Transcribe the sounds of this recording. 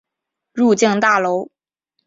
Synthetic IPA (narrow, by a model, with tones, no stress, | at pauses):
ɻu˥˧t͡ɕi˥˧ŋt̪a˥˩lo˧˥ʊ